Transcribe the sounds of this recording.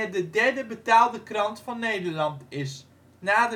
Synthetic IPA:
ədədɛɹdəbətaːlˠdəkrɑntfɑnːejdəɹlɑntɪs | naːdə

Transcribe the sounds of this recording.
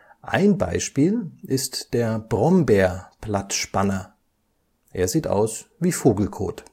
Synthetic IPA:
ʔa̰ɪnba̰ɪʃpiːlʔɪstd̥eːɐb̥ʁɔmbeːɐplatʃpanɐ | ʔeːɐziːtʔa̰ʊsviːfoːɡl̩kʰo̰ːt

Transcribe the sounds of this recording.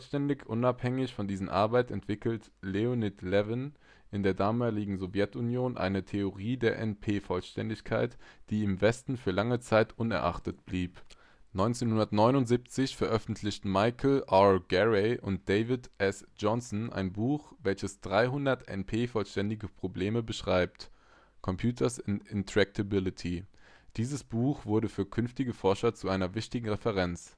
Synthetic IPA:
ʃtɛndɪçʔʊnaphɛŋɪçfɔndiːzən̩ʔa̰ɐbaɪtɛntv̥ɪkl̩t | leonɪtlɛvən | ɪndeːɐdaːmaːlɪɡŋ̩zovjɛtunjoːnʔa̰ɪnətʰeoʁiːdeːɐʔɛnpʰeːfɔlʃtʰɛ̰ndɪçkʰaɪtd̥iːɪmvɛstn̩fyːɐlaŋət͡saɪtʔʊnɛ̰ɐʔa̰χtətb̥liːp | nɔʏnt͡seːnhʊndɐtnɔʏnʊntz̥ip̚t͡sɪçfɛɐʔœfn̩tʰlɪçtn̩maɪkʰl̩ʔaɡɛʁɛʔʊ̰nt̚d̥eɪvɪtʔɛsd͡ʒɔnsnʔa̰ɪnbuːxvɛlçəsd̥ʁaɪɦʊndɐtɛ̰npʰeːfɔlʃtɛndɪɡəpʁ̥obleːməbəʃʁ̥aɪp̚t | kʰɔmpʰjuːtʰɐsɪɪntʁ̥ɛk̚tʰəbɪlɪtʰi | d̥iːzəsb̥uːxv̥ʊɐɾəfyːɐkʰʏnftɪɡəfɔɐʃɐt͡suʔaɪnɐvɪçtɪɡŋ̩ʁɛfɛʁɛnt͡s

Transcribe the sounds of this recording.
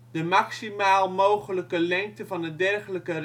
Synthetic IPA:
d̥əmɑksimaːlˠmowχələkəlɛŋk̚təvɑnədɛrχələkər

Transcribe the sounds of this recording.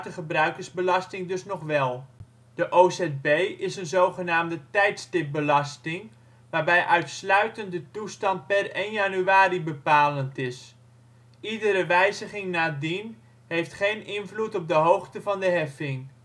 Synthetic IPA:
təχəbrœɥkərzbəlɑstɪŋdɵsnɔχʋɛlˠ | d̥əʔoːsɛd̚bejɪsənzowχənaːmdətɛjtstɪp̚bəlɑstɪŋ | ʋaːɹbɛjʔœɥtslœɥtəndətustɑnt̚pɛrejnjanyaːɾibəpaːləntɪs | idəɾəʋɛjzəχɪŋnaːdin | ɦejftχejnʔɪnvlutɔp̚dəɦowχtəvɑndəɦɛfɪŋ

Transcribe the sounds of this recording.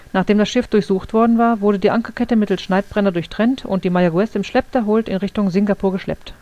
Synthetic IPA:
naːχd̥eːmdasʃɪfd̥ʊɐçz̥uːxtv̥ɔɐdn̩vaːɐvʊɐɾədiːʔaŋkɐkʰɛtəmɪtl̩sʃnaɪt̚b̥ʁɛnɐdʊɐçtʁ̥ɛntʊ̰nt̚d̥iːmajaɡuɛsɪmʃlɛp̚tʰɛɐɦoːltɪnʁɪçtʊŋzɪŋɡapʰuːɐɡəʃlɛ̰pt

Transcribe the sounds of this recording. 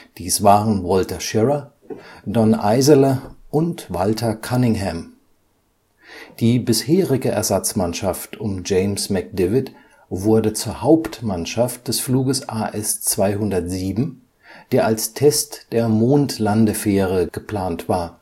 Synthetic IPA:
d̥iːsv̥aːʁənvɔltɐʃɪʁɐ | dɔnʔa̰ɪzələʔʊntv̥altʰɐkʰanɪŋɦɛm | d̥iːbɪsheːʁɪɡəʔɛ̰ɐzat͡smanʃaftʊmd͡ʒeɪmsmɛk̚d̥ɪvɪt | vʊɐdət͡suːɐhaʊptmanʃaft̚d̥ɛsfluːɡəsʔaːʔɛst͡sv̥aɪhʊndɐtz̥iːbm̩ | d̥eːɐʔalstʰɛstd̥eːɐmoːntlandəfeːʁəɡ̥əpl̥aːntv̥aːɐ

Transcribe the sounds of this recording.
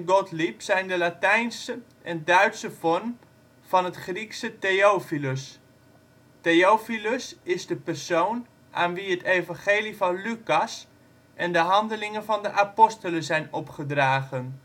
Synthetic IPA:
nɡɔtlipsɛjndəlatɛjnsə | ʔɛndœɥtsəfɔrm | fɑnətχriksəteofiləs | teowfiləsɪzdəpərsown | ʔaːnʋiətejvɑŋχeːlivɑnlykɑs | ʔɛndəɦɑndəlɪŋənvɑndəʔapɔstələzɛjnɔpχədraːɣən

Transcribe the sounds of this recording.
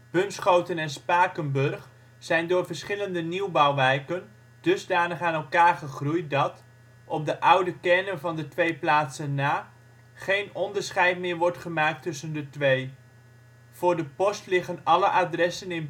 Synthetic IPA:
b̥ɵnsχowtənɛnspaːkənbɵrχ | z̥ɛjndʊːɹvəɹsχɪləndəniwbawʋɛjkən | d̥ɵzdaːnəχaːnɛlˠkaːɹχəχrujdɑt | ʔɔp̚dəʔʌwdəkɛnənvɑndətʋejplaːtsənːaː | χejnɔndəɹsχɛjtmɪːɹʋɔɹtχəmaːk̚tɵsəndətʋej | v̥ʊːɹdəpɔstlɪχənɑləʔadrɛsənɪn

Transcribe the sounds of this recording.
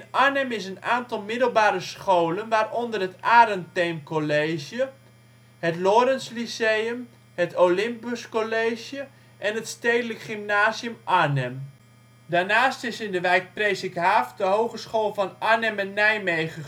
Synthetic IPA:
ɪnʔaɹnɛmɪsənaːntɑlˠmɪdəl̩ˠbaːɾəsχowlənʋaːrɔndərɦətaːɾənteːmkolejzjə | hətlɔɾənslisejəm | hətʰolɪmpəskoleːʒjə | ʔɛnətstejdələkχimnaːzjəmʔanɛm | daːnaːstɪsɪndəʋɛjk̚prejsɪkɦaːfdəɦowχəsχoːlˠvɑnʔanɛmɛnːɛjmejχə

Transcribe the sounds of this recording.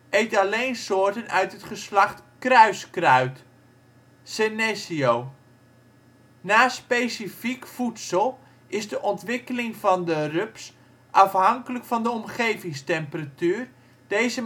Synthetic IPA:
ʔejtalejnsoːrtənœ̰ɥtətχəslaχtkrœɥskrœɥt | senɛsiow | naːspesifikfutsəlˠ | ʔɪzdəʔɔntʋɪkəlɪŋvɑndərøps | ʔɑfɦɑŋkələkfɑndəɔmχejvɪŋstɛmpəratyːr | d̥ejzə

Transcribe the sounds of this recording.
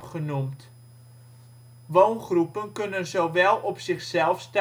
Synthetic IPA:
χənumt | ʋownχrupənkɵnənzowʋɛlˠɔpsɪχsɛlˠfst

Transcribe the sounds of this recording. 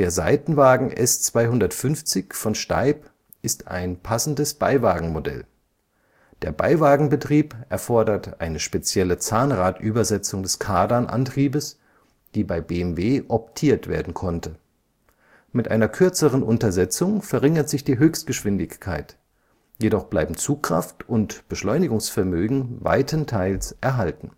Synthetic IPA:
d̥eːɐza̰ɪtn̩vaːɡŋ̩ʔɛ̰st͡sv̥aɪhʊndɐtfʏnft͡sɪçfɔnʃta̰ɪp | ʔɪsta̰ɪnpʰasn̩dəsb̥aɪvaːɡŋ̩modɛ̰l | d̥eːɐba̰ɪvaːɡŋ̩bətʁ̥iːpʔɛɐfɔɐdɐtʔaɪnəʃpet͡sjɛlət͡saːnʁaːtʔyːbɐzɛt͡sʊŋdɛskʰaːdɐnʔa̰ntʁ̥iːbəs | d̥iːbaɪbeːɛmveːʔɔp̚tʰiːɐtv̥ḛːɐdn̩kʰɔntə | mɪtʔaɪnɐkʰʏɐt͡səʁənʔʊntɐzɛt͡sʊŋfɛɐʁɪŋɐtz̥ɪçd̥iːɦøːçst̚ɡ̥əʃv̥ɪndɪçkʰːaɪt | jeɾɔχb̥laɪbm̩t͡suːkʁ̥a̰ftʊntb̥əʃlɔʏnɪɡʊŋsfɛɐmøːɡŋ̩va̰ɪtʰəntʰaɪlsʔɛɐɦaltn̩

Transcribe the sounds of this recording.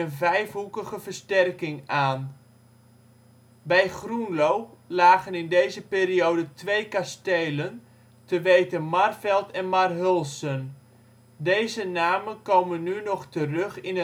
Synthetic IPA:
ənvɛjfɦukəɣəvərstɛrkɪŋaːn | bɛjχrunlowlaːɣənɪndejzəpeːɾiowdətʋejkastejlən | təʋejtənmarfɛlˠtɛnmarɦølˠsən | dejzənaːmənkowmənːynɔχtərɵχɪnə

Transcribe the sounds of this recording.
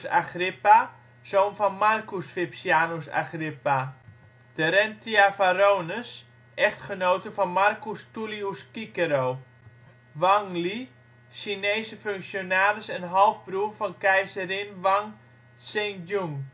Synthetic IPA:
sa̰χrɪpa | soːnfɔnmarkusfɪpsjaːnosa̰χrɪpa | d̥əɾɛntʰiafaɾoːnəs | ʔɛxtχənowtəfɔnmarkustuliuskikəɾoː | ʋaŋli | sineːsəføŋksjonaːɾəsənɦɔlˠfbruəfɔnkɛjsəɾɪnʋaŋ | sentjuŋ

